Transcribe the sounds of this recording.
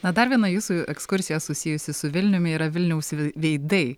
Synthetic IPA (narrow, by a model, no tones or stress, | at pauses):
nɐd̪ɐɾʋʲiɛnɐjuːsuɛkskʊɾʲsʲɪjɛsʊsʲɪjʊsʲɪsʊʋʲɪlʲnʲʊmʲɪiːɾɐʋʲɪlʲnʲɛʊsʋʲʋʲɛɪd̪ɐɪ